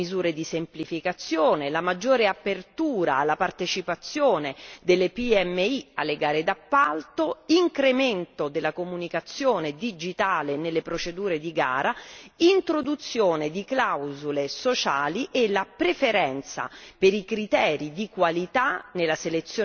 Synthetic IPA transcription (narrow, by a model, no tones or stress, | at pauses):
izuːɾed̪isemplifikat̪sjoːnelamad͡ʒːoːɾeapert̪uːɾa̰ːlːapart̪et͡ʃipat̪sːjoːned̪elːepiɛmːeialːeɡaːɾed̪apːalt̪oiŋkɾement̪od̪elːakomunikat̪sːjoːned̪id͡ʒit̪aːlenelːepɾot͡ʃed̪uːɾed̪iɡa̰ːɾaint̪ɾod̪ut̪sːjoːned̪iklawzulesot͡ʃaːliʔelapɾefeɾɛnt̪sa̰peɾikɾit̪ɛːɾid̪ikwalit̪anelaselet̪sːjoː